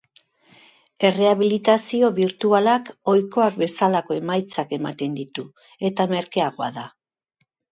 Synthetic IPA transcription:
e̞re̞aβ̞ilit̪asio̞βiɾt̪ualako̞jko̞ak̚be̞salako̞e̞majt͡sake̞mat̪e̞nd̪it̪u | e̞t̪ame̞ɾkeaɣo̞aða

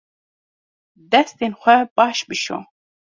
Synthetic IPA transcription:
d̪ɛst̪inxʷɛbɑʃbiʃo̰

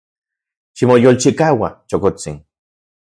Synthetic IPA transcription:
ʃimojolt͡ʃikaːwa̰t͡ʃokot͡sḭn

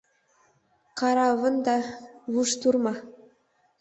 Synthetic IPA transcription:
qʰɑɾɑvənd̪ɑvuʃt̪uɾmɑ

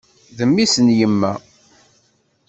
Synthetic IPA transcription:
ðəmːisənjəmːæ

